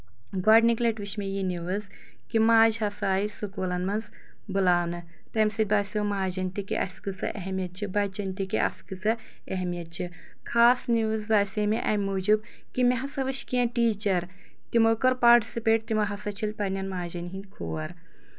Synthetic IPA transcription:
ɡaːɖniklɐʈʋiʃmejiniʋɨz | kimaːd͡ʒɦɐsaːisukolɐnmɐnz | bɨlaːwnɨ | t̪ɐmʲsɐt̪̚ʲbaːsimaːd͡ʒɐnʲt̪ikḭʔɐ̰skɨt͡sɐ̰ʔeɦmʲijɐt̪̚t͡ʃʰibɐt͡ʃɐnʲt̪ikiʔɐ̰skɨt͡sɐ | eɦmijɐt̪̚t͡ʃʰi | kʰaːsniʋɨzbaːsʲemeʔɐ̰mʲmud͡ʒub̚ | kimeɦɐsɐʋɨʃkijɐ̃ʈiːt͡ʃɐɾ | t̪imokɐɾpaːɾʈi̥sipeːʈ̚t̪imɐɦɐsɐt͡ʃʰilʲpɐɾnʲɐnmaːd͡ʒɐnɦind̪ʲkʰoːɐɾ

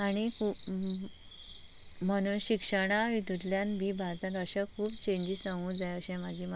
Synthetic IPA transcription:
aɽ̃ikʰu | m̤əñunɕikʂəɽ̃aʋit̪ut̪ljanbʱiːbʱaɾt̪ãtəɕakʰuːpt͡ɕẽɲd͡ʑiːsə̃ŋũd͡zajəɕẽmaɡʱiːm

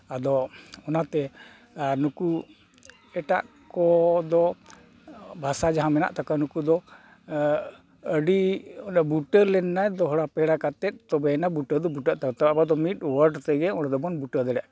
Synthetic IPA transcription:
ad̪ɔɔnat̪ɛ | anuku | ɛʈa̰ʔ | kɔd̪ɔ | bʱasad͡ʒaɦãmɛna̰ʔt̪akanukud̪ɔ | əɖiɔnabuʈəɾlɛnːajd̪ɔɦɔɽapɛɽakat̪ɛt̪̚ˀt̪ɔbɛnabuʈəɾd̪ɔbuʈəʔt̪akat̪aabad̪ɔmit̪̚wəɾɖt̪ɛɡɛɔnad̪ɔbɔnbuʈəɾd̪ɛɖaʔ

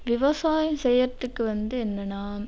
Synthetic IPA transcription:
ʋɪʋɐsaːjɐmsɛjːɐɾt̪ːɯkːɯʋɐnd̪ɯɛnːɐnaːm

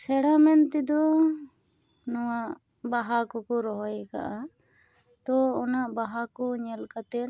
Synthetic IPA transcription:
sɛɽamɛnt̪ɛd̪ɔ | nɔwaʔ | baɦakɔkɔɾɔɦɔjɛka̰ʔa | t̪ɔɔnaʔbaɦakɔɲɛlkat̪ɛ

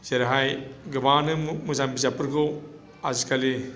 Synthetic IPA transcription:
z̥eɾɦajɡɯbanɯmuzambizapɯɾɡo | azikʰali

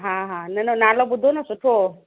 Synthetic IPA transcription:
ɦãɦãnɐnonalɔbud̪ʱonɔsuʈʰo

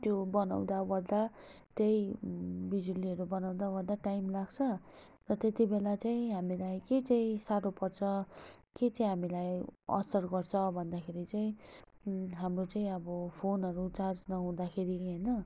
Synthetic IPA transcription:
t̪jobʌna̰w̃d̪abʌrd̪a | t̪eibid͡zuliʌɾubʌnaw̃d̪awʌɾd̪aʈajmlaɡt͡sʰʌ | rʌt̪et̪ibelat͡saĩɦamilajket͡saĩsaɾopʌrt͡sʰʌket͡saĩɦamilajʌ̰sʌrɡʌrt͡sʰʌbʱʌnd̪akʰeɾit͡saĩ | ɦamrot͡saĩʌbʌpʰonɦʌɾut͡sard͡znaɦũd̪akʰeɾiɦʌjnʌ

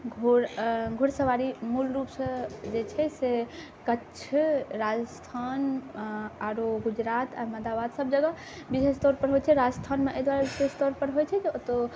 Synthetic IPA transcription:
ɡʱoɾɡʱoɾsəʋaɾimulɾupsə̃d͡ʒet͡ʃʰɛse | kət͡ʃʰɾad͡ʒəst̪ʰan | aɾoɡud͡ʒɾat̪a̰məd̪abad̪səb̚d͡ʒəɡa | bisest̪ɔɾpəɾɦojt͡ʃʰɛɾad͡ʒəst̪ʰanmeʔed̪waɾabisest̪ɔɾpəɾɦojt͡ʃʰɛt̪ot̪o

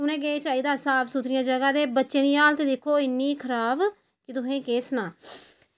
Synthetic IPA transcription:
ʊnẽːɡ̬eːit͡ʃaːiːd̪aːsaːbsut̪ɾɪjãːd͡ʒəɡãːd̪eːbətːʃẽːd̪iːaːlt̪eːd̪ɪkʰːoːɪnːiːkʰəɾaːb | kɪt̪ʊɦẽːkeːsnãː

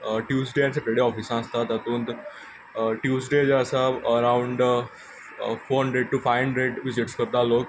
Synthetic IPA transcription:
ʈjuːsɖejãnt͡sepɾeɽeɔfisãst̪at̪ət̪ũːnt̪ | ʈjuːsɖed͡ʑaəsaəɾawɳɖ | foːɾɳɾeɖʈufaɪɳɖɾeɖʋid͡ʑiʈskəɾt̪aloːk

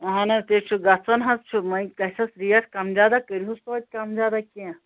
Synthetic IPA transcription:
ɐɦɐnɐɾt̪et͡ʃʰuɡɐt͡sʰɐnɦɐst͡ʃʰumɐkɐsɐsɾijɐʈkɐmzʲaːd̪akəɾiɦust̪oːɐt̪̚ʲkɐmzʲaːd̪akiã

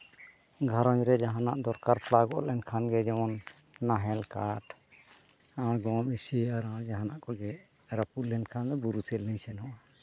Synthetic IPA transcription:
ɡʱaɾɔɲɾɛd͡ʒaɦanaʔd̪ɔɾkaɾp̪laɡɔʔɔ̰lɛnkʰanɡɛd͡ʒɛwɔnː | aɦɛlkaʈ | ãɡɔmisiaɾãd͡ʒaɦanaʔkɔɡɛ | ɾapulɛnkʰand̪ɛbuɾut͡ʃɛliɲsɛnɦɔ̃ʔa

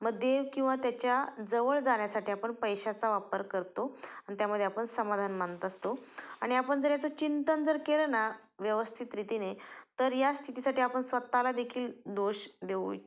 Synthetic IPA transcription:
məɡd̪eʋkĩw̃ʋat̪jat͡ɕjad͡zəʋəɭd͡zaɳjasaʈʰiːapəɳpəjɕat͡saʋapəɾkəɾt̪oaɽ̃it̪jaməd̪ʱjeapəɳsəmad̪ʱanmanət̪ast̪oaɽ̃iapəɳd͡zəɾjat͡sət͡ɕint̪ənd͡zəɾkeləna | ʋjəʋəst̪ʰit̪ɾit̪inet̪əɾjast̪ʰit̪isaʈiːapəɳsʋət̪ːalad̪ekʰiːld̪oɕd̪eʋu

